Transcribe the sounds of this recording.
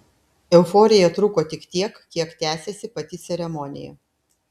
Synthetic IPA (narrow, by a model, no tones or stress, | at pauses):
ɛʊfɔːɾʲɪjɛt̪ɾʊkoːt̪ʲɪkt̪ʲiɛkkʲiɛkt̪ʲæːsʲesʲɪpɐt̪ʲɪt̪sʲɛɾʲɛmɔnʲɪ̰jɛ̰